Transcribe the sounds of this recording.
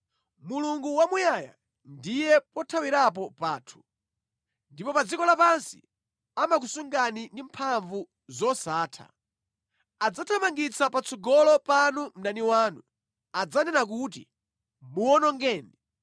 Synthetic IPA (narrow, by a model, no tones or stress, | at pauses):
muluŋɡuwamujaja̰ | ndijɛpɔtʰawiɾap̬ɔpaːtʰu̥ | ndipɔpad͡zikɔlapansḭ | amak̬usuŋɡanindimpʰaɱvu | zɔsaːtʰa̰ | ad͡zatʰamaŋɡit͡sʰapat͡sʰɔɡɔlɔpanum̩naniwaːnu | ad͡zanɛnak̬ut̬ḭ | muwɔnɔŋɡɛːni